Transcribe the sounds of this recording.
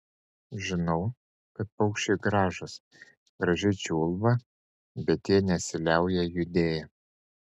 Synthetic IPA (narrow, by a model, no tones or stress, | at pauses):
ʒʲɪnɒʊ | kɐt̪̚pɐʊkʃʲt͡ʃʲeɡɾɑːʒɐs | ɡ̥ɾɐʒʲɪt͡ʃʲuːlˠʋɐ | bʲɛt̪jiːnʲɛsʲɪlʲæˑʊjɛjʊd̪ʲeːjɛ